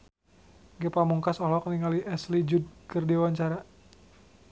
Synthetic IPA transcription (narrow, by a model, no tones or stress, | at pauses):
ɡɛpamuŋkasɔlɔkəniŋaliʔɛslid͡ʒud̚kərdiwaɲt͡ʃaɾa